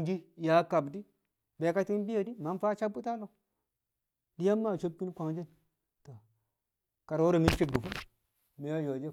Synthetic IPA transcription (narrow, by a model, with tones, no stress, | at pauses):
d͡ʒi˦ja˨˦ka˨bdi˦ | be˨˦ka˦ti˦n˦bi˦ja˨di˦ma˨˦n˦fa˦t͡ʃa˦bu˦ta˦lo˨ | di˦ja˦mːa˦˨t͡ʃo˦b̚ki˦n˦kʷa˨ŋd͡ʒi˦n | to˨ | ka˨ɾo˦ɾo˨mi˦t͡ʃi˦bu˨fu˦ | me˨ja˦jo˨d͡ʒe˦